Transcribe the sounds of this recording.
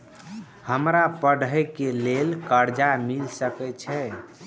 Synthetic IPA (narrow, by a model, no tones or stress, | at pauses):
həmɾapəɽ̤ʱəjkelelkəɾd͡ʒamilsəkɛt͡ʃʰɛ